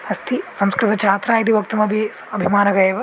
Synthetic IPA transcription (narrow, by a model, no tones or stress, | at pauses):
ɐst̪ʰisɐmskɾɪt̪ɐt͡ʃʰaːt̪ɾaːjit̪̬iʋɐk̚t̪umɐbʱeː | ɐbʱimaːnɐɡɐjʋɐ